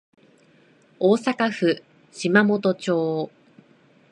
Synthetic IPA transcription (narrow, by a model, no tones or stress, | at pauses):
oːsakaɸɯ̟ | ɕimamo̞t̪o̞t͡ɕo̞ː